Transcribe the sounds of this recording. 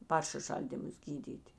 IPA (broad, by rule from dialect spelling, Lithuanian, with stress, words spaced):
ˈpɐrʲʃʲɪˌʃɐlʲdʲiːmʊs ˈɡʲiːdʲiːtʲɪ